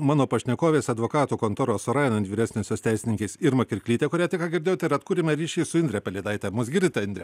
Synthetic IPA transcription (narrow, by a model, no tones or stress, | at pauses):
mɑːnoːpɐʃʲnʲɛkoːʋʲeːsɐd̪ʋoːkɑːt̪uːkoːnt̪oːɾoːssʊɾɑːjɛnɐnt̪ʲʋʲiːɾʲæːsʲnʲesjoːst̪ʲɛɪsʲɪnʲɪŋʲkʲɛɪsɪɾmɐkʲɪɾʲkʲlʲiːt̪ʲɛkʊɾʲæːt̪ʲɪkɑːɡʲɪɾd̪ʲeːjoːt̪ɛɪɾɐt̪kuːɾʲɪmʲɛɾʲiːʃʲɛɪsʊɪnʲd̪ʲɾʲɛpʲɛlʲɛɪd̪ɐɪt̪ʲɛmʊsɡʲɪɾʲd̪ʲɪt̪ʲɛɪnd̪ɾʲɛ